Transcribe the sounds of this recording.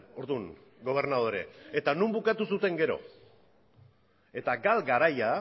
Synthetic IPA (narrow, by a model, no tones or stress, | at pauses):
o̞ɾðun | ɡo̞β̞e̞ɾnað̞o̞ɾe̞̰et̪anumbukat̪usut̪e̞ŋɡe̞ɾo̞̰ | e̞t̪aɡalɡaɾaja